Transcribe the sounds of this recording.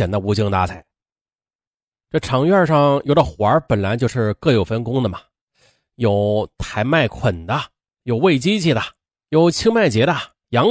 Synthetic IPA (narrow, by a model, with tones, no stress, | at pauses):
ɛ˨˩nd̪ə˦˧u˧˥t͡ɕi˥ŋt̪a̰˧˥t͡sʰa˨˩˦ɪ | ʈ͡ʂɤ˥˩ʈ͡ʂʰɑ˧˥ŋɥɛ˥˧ʂɑ˥˩ŋjo˨˩ʊdə˨˩xwa˧˥pə˨˩nla˧˥ɪt͡ɕjʊʂɻ̩˥˧kɤ˥˩jo˨˩ʊfə˥nkʊ˥ŋd̪ə˨mɐ˨˩ | jo˨˩ʊt̪ʰa˧˥ɪma˥˩ɪkʰwə˨˩nd̪ə˦ | jo˨˩ʊwe˥˩ɪt͡ɕi˥t͡ɕʰi˥˩d̪ə˩ | jo˨˩ʊt͡ɕʰi˥ŋma˥˩ɪt͡ɕjɛ˧˥d̪ə˧ | jɑ˧˥ŋ